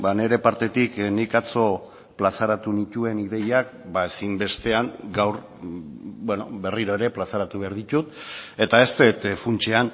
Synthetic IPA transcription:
bane̞ɾe̞paɾt̪e̞t̪iknikat͡so̞ | plasaɾat̪unit̪ue̞niðe̞jak̚baesimbe̞st̪e̞aŋɡawɾ | bweno̞̰be̞riɾo̞e̞ɾe̞plasaɾat̪uβe̞aɾðit̪ut̪e̞t̪ae̞st̪et̪funt͡ʃe̞an

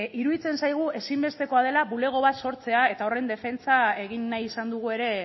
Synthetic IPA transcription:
iɾuðit͡se̞nsajɣ̞ue̞simbe̞st̪e̞ko̞að̞e̞laβule̞ɣ̞o̞β̞at̪so̞ɾt͡se̞ae̞t̪ao̞re̞nd̪e̞fe̞nt͡sae̞ɣ̞inːajisand̪uɣ̞ue̞ɾe̞

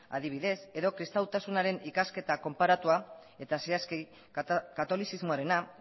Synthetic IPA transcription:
a̰ðiβ̞iðe̞se̞ðo̞kɾist̪awt̪asunaɾe̞nikaske̞t̪ako̞mpaɾat̪uae̞t̪asiaski | kat̪o̞lisizmoaɾe̞na

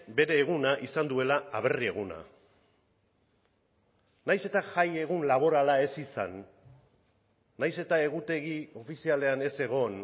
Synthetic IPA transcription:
be̞ɾe̞ːɣunaʔisand̪ue̞laːβ̞e̞rie̞ɣuna̰ | najse̞t̪aʝajeɣ̞unlaβ̞o̞ɾalae̞sisa̰n | ajse̞t̪ae̞ɣut̪e̞ɣio̞fisiale̞ane̞se̞ɣ̞o̞n

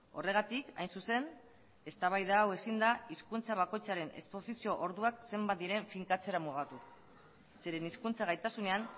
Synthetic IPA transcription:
o̞̰re̞ɣat̪ika̰jnsuse̞n | e̞st̪aβ̞ajðaːwe̞sind̪aiskunt͡saβ̞ako̞jt͡saɾe̞ne̞̰spo̞sisio̞ʔoɾðuakse̞mbat̪̚d̪iɾe̞ɱfiŋkat͡se̞ɾamuɣat̪u | se̞ɾe̞niskunt͡saɣ̞ajt̪asune̞an

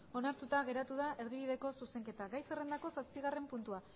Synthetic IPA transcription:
o̞naɾt̪ut̪aɣ̞e̞ɾat̪uð̞ae̞ɾðiβ̞iðe̞ko̞suse̞ŋke̞t̪aɡajserend̪ako̞saspiɣare̞mpunt̪ua

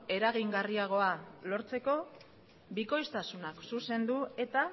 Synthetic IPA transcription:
e̞ɾaɣ̞iŋɡariaɣ̞o̞alo̞ɾt͡se̞ko̞ | biko̞jst̪asunaksuse̞nd̪ue̞t̪a

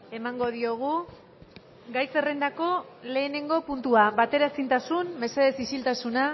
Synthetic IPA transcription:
e̞maŋɡo̞ðio̞ɣ̞u | ɡajse̞re̞nd̪ako̞le̞ːne̞ŋɡo̞punt̪uaβat̪e̞ɾasint̪asunme̞se̞ðe̞sisilt̪asuna

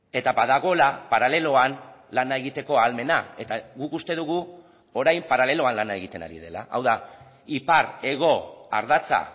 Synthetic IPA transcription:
e̞t̪abaðaɣ̞o̞lapaɾale̞lo̞anlanae̞ɣit̪e̞ko̞alme̞nae̞t̪aɣukust̪e̞ðuɣ̞u | o̞ɾajmpaɾale̞lo̞anlanae̞ɣit̪e̞na̰ɾḭðe̞la̰ʔa̰wða | ipaɾe̞ɣo̞a̰ɾðat͡sa̰

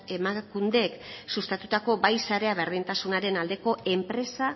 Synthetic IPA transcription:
e̞makund̪e̞ksust̪at̪ut̪ako̞bajsaɾe̞aβe̞ɾð̞int̪asunaɾe̞nald̪e̞ko̞e̞mpɾe̞sa

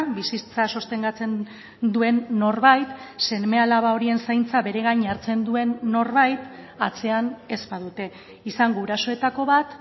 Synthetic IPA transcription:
bisit͡saso̞st̪e̞ŋɡat͡se̞n | d̪ue̞nːo̞rβajt̪se̞nme̞alaβao̞ɾie̞nsajnt͡saβe̞ɾe̞ɣajɲaɾt͡se̞nd̪ue̞nːo̞ɾβajt̪ | at͡se̞ane̞zpaðut̪e̞ | isaŋɡouɾaso̞e̞t̪ako̞β̞at̪

